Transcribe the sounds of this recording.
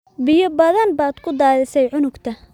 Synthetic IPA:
bɪjɔbɐðɐnbaːd̪̥kʰʊd̪aːðɪsɛjʕʊnʊɡt̪ʰɐ

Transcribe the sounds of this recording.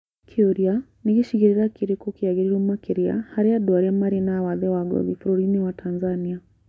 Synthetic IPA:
kʰiuɾia | niɣiʃiɣiɾiɾakiɾikɔkiaɡiɾiɾumakiɾia̰haɾɛaduaɾiamaɾinawaðɛwaɡɔ̰ðifɾɔɾiniwatʰanzania

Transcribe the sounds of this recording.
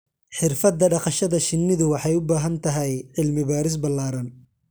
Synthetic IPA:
ħɪrfɐd̪ːɐɖɑqɑʃɐðɐʃɪnːɪðʊwɑħɑjʊbaːɦɐnt̪ʰɐɦɛjʕɪlmɪβaːɾɪs̬bɐlːaːɾɐn

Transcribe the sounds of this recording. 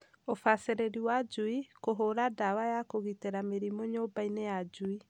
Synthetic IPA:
ofaseɾeɾiwad͡ʒuikoɦoɾadawajakoɣiteɾameɾimɔɲobainejad͡ʒui

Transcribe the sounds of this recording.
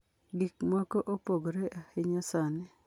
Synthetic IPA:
ɡikmakoʔopoɡɾeʔahɪɲasanɛ

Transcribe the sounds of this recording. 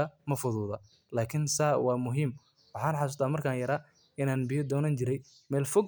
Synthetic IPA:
ɐmɐfʊðuːðɐ | laːkʰɪnsaːwɑːmʊɦiːm | wɑħɑːnħɑsʊːst̪ʰaːmɐrkʰaːnjɐɾaː | ɪnaːnbɪjɐd̪ɔːnɐnt͡ʃɪɾɛj | mɛːlfɔɡ

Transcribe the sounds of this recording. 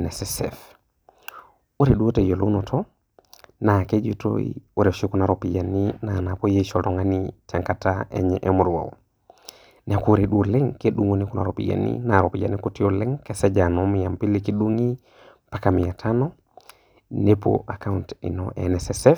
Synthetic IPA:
nesesɛ̰f | uɾeɗuotejolonotʰo | naked͡ʒito̰ḭuɾeʃikunaɾopijaninanapojet͡ʃotɔŋanit͡ʃaŋkataḛɲɛʔemuɾwa̰wo̰ | nekuɾeɗulɛŋkeɗuŋwonikuna̰ɾopija̰nḭnaɾopid͡ʒa̰nikutioleŋkesed͡ʒanomijampilikiɗuŋi | pakamijatʰano | nepo̰ʔakauntḭno̰ʔḛnesesɛ

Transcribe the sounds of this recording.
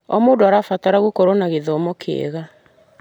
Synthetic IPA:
ɔmoːdoaɾafataɾaɣukoɾonaɣeðɔmɔkʰḛḛɣa

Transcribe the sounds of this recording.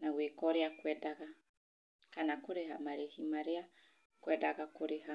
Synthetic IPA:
naɣwikɔɾeakwɛdaɣa | kanakuɾehamaɾehimaɾea | kwɛdaɣakuɾeɦa

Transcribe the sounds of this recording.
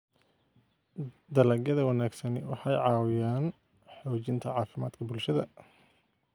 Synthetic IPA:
d̪ɐlɐɡjɐðɐwɑnaːɡsɐnɪwɑħɑjʕɑːwɪjaːn | ħɔːt͡ʃɪnt̪ʰɐʕɑːfɪmaːd̪kʰɐbʊlʃɐðɐ

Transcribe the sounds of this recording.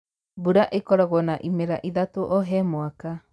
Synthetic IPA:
buɾaʔekɔɾɔɣɔnaʔimeɾaʔiðatoʔoɦɛmoaka

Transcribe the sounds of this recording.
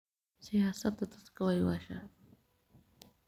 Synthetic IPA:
sihasat̪at̪ḁskawajwaʃa̰

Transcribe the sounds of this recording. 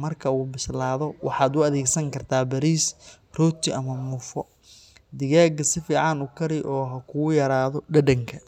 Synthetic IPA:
mɐrkʰɐuːbɪslaːðɔwɑ̰ħɑːd̪ʊɐðɛːɡsɐŋkʰɐrt̪ʰaːbɐɾiːs | rɔːt̪ʰɪʔɐmɐmuːfɔ | d̪ɪɣaːɡɐsɪfiːʕɑnʊkʰɐɾɪʔɔːɦɐkʰʊjɐɾaːðɔɖɐɖɐŋkʰɐ

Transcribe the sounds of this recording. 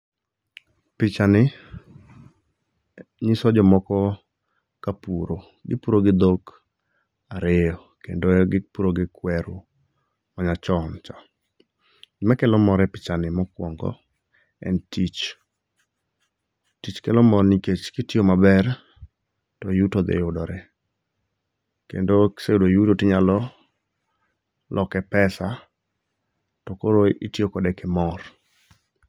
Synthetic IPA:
pɪt͡ʃanɪ | ɲɪsɔd͡ʒɔmɔkɔ | kapuɾo | ɡɪ̰puɾoɡɪd̪ok | aɾejɔkḛndoɡɪpuɾoɡɪkwɛɾu | maɲat͡ʃɔnt͡ʃɔ | ɡɪmakɛlɔmɔɾɛpɪ̥t͡ʃanɪmɔkwɔŋɡɔ̰ | ɛ̰ntit͡ʃ | tit͡ʃkɛlɔmɔrniket͡ʃkɪtjomabɛr | tɔjutɔd̪ḛjʊdɔɾɛ | kḛndoseudojutotɪɲalɔ | lʔɔkɛpɛsa | tɔkoɾoitjokɔdɛkɛmɔr

